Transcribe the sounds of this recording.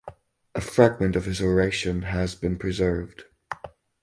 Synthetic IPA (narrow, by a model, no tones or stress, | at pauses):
ʔəfɹaɡ̚mə̃ntʌv̥ɪzəɹeɪʃə̃nəzbɨ̃npʰɹ̥ɪzɜ˞vd̥